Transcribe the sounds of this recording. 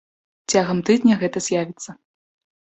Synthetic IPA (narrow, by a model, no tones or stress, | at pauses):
t͡sʲaɣɐmt̪ɨd̪nʲɐɣɛt̪ɐzʲjavʲit̪sːɐ